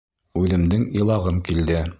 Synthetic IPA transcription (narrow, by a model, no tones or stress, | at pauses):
ʉðɘ̆md̪ɘŋilˠɑʁɤmkild̪ɘ